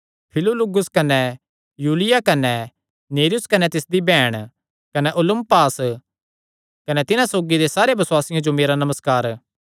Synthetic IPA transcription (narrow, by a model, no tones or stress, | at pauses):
pʰɪlolʊɡʊskɐnɛ | juːlɪjakɐnɛ | neːɾɪjʊskɐnɛt̪ɪsd̪ibɛːɽ̃ | kɐnɛʔʊlʊ̃mpaːs | kɐnɛt̪ɪnãsoːɡid̪esaːɾebɐswaːsɪjãd͡ʒomeːɾanɐməskaːɾ